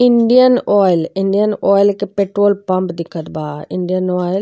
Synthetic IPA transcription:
ɪɳɖijənɔːɪlɪɳɖijənɔːɪlkepeːʈɾoːlpɐ̃mpd̪ɪkʰət̪baːɪ̃ɳɖijənɔːɪl

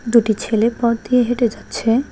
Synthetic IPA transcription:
d̪uʈit͡ɕʰelepɔɾd̪ijeɦeʈed͡ʑatːɕʰe

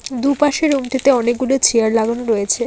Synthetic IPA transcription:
d̪upaʃeɾumʈit̪eɔnek̚ɡulot͡ɕʰiaɾlaɡonoɾɔjet͡ɕʰe

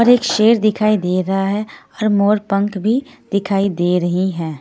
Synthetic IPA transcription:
ɔːɾeːkʃeːɾd̪ɪkʰaːid̪eːɾɐɦaɦɛɔːɾmoːɾpə̃ŋkbʱid̪̥ɪkʰaːid̪eːɾɐɦiɦɛː

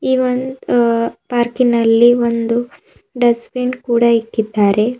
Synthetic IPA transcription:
iːʋond̪paːɾkinɐlːiʋond̪u | ɖɐspeɳɖkuːɽɐikːid̪ːaːɾe̞

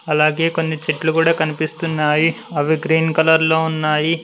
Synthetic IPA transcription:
ɐlaːɡe̞ːko̞nːit͡ʃeʈlukuːɽaːkɐnipist̪unːaːji | ɐʋiɡɾiːnkɐlɐɾlo̞ːunːaːji

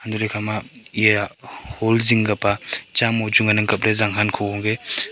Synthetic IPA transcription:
handuɾekʰamaijaholziŋɡapat͡ʃamɔwd͡ʒuŋɡanɯŋkap̚ɾezaŋɦankʰɔɔŋɡe

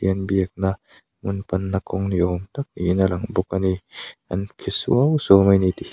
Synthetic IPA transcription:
iɐnbiɐk̚na | munpɐnːakʰɔŋniʔɔmtak̚ninalɐŋbɔk̚ania̰nkʰisṵawsɔmajniti

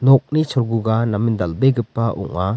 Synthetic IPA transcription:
nɔk̚nit͡ʃʰɔɾɡuɡanamind̪albeɡɯpːaɔ̰ŋa

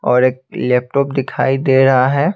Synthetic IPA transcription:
ɔːɾeːk̚lɛːp̚ʈɔːpd̪ɪkʰa̰ːid̪eːɾɐɦaɦɛː

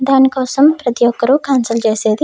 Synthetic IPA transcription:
d̪aːnikoːsɐmpɾɐt̪joːkːɐɾukaːnsɐlt͡ʃeːseːd̪i

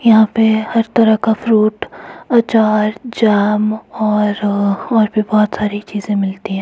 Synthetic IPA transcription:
jɐɦãpehɐɾt̪ɐɾəɦkafɾuːʈɐt͡ʃaːɾd͡ʒaːmɔːɾɔːɾbʱibɔːt̪saːɾit͡ʃiːzẽmɪlt̪iɦɛ̃ː

